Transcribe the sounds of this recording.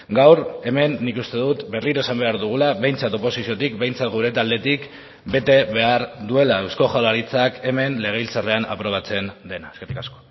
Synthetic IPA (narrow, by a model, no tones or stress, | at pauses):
ɡawɾe̞me̞nːikust̪e̞ðut̪be̞riɾo̞e̞sambe̞aɾðuɣ̞ulaβe̞jnt͡sat̪o̞po̞sisio̞t̪ikbe̞jnt͡sat̪ɡuɾe̞t̪ald̪e̞t̪ik | be̞t̪e̞βe̞aɾd̪ue̞laewsko̞xawlaɾit͡sake̞me̞nle̞ɣe̞ilt͡sare̞ana̰pɾo̞β̞at͡se̞nd̪e̞naesket̪i̥kasko̞̥